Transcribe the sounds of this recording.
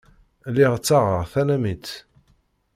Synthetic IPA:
liʁt͡sːaʁəʁθænæmit͡s

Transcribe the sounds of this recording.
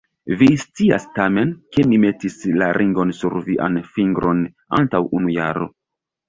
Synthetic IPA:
vist͡sia̰stame̞nkenime̞tislaɾʔiŋɡo̞nsuɾviʔa̰nfiŋɡɾʔo̞n | a̰ntawʔunujaɾo̞̰

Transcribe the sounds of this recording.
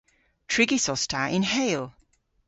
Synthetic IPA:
tʰɹ̥ɪɡisɔstʰaʔɪ̃nɦeɪlˠ

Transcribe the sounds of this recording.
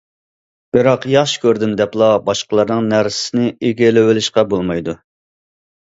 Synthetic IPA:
b̥ɪɾɑqjɑχʃkʲøɾd̪ɪmd̪ɛplˠɑbɑʃqəlˠɑɾnɨŋnæɾsɪ̥sɪnɪeɡʲelɪwɪlɪʃqɑbolˠmɑjd̪u

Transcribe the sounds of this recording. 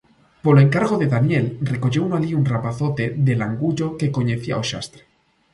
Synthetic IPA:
poloe̞ŋkaɾɣo̞ðe̞ðanjelre̞ko̞ʝo̞unoaʎiunrapaθo̞t̪e̞ðe̞laŋɡuʎo̞ke̞ko̞ɲeθia̰oʃa̰st̪ɾe

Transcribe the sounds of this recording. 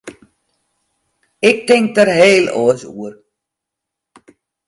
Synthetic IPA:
ɪk̚tɪŋk̚dərɦeːlo̰əsṵər

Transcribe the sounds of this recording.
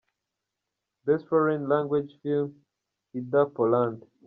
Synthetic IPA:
bɛspɛɹĩnlãŋɡwid͡ʒfilm | id̪apɔlãnd

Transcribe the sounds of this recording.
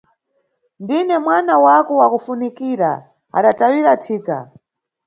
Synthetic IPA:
ndinɛmwanawakɔwakufunikiɾa̰ | a̰ɗatawiɾatʰiːka̰

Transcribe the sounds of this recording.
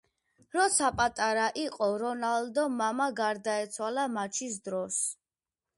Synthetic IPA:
ɾɔsapʼat̪ʼaɾaʔiqʼɔɾɔnald̪ɔmamaɡaɾd̪aɛt̪sʰwalamat͡ʃʰis̬d̪ɾɔs

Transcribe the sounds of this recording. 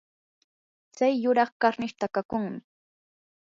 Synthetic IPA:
t͡sajːʊɾɑχkaɾnɪʃt̪akakʊŋmɪ

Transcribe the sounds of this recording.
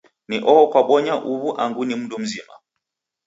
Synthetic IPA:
niʔɔɔkwaɓɔɲaʔuβuʔaŋɡunim̩dum̩zima̰

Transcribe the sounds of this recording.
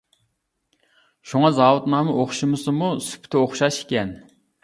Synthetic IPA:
ʃuŋɑzɑwʊt̪nɑmɨʔoχʃɨmɨsɨmusy̥pʰt̪ʰɪoχʃɑʃe̥kʲɛn

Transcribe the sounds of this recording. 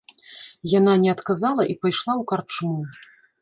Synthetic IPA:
jananʲɛɐt̪kazalˠɐʔipajʂlˠawkart͡ʂunu

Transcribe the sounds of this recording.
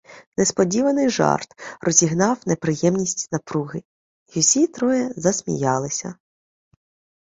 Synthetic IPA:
nespɔdʲiʋɐnɪjʒɑ̰rt̪rɔzʲiɦnɑwnepɾɪjɛmnʲisʲtʲnɐpɾuɦɪ | jusʲit̪ɾɔjɛzɐsʲmʲḭjɑlˠɪsʲɐ̰

